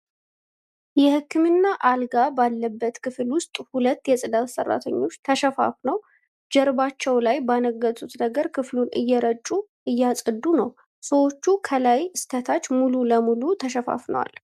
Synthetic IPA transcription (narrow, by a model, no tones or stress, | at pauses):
jɛhɨkʰːɨmɨnːaʔalɡabalːəbːət̪kʰɨfɨlwʊst̪ʼhulət̪ːjɛsʼɨd̪at̪sərːa̰t̪ʰəɲːo̞t͡ʃːt̪ʰəʃɛfa̰fnəw | d͡ʒɛɾbat͡ʃːɛwlajbanəɡːət̪ʼut̪nəɡəɾkʰɨflunʔɨjːɛɾət͡ʃʼːuʔɨjːasʼɨd̪ːunəw | səwo̞t͡ʃːukʰəlajɨst̪ʰət̪ʰat͡ʃːmululəmulut̪ʰəʃ̬ɛfa̰fnə̰wa̰l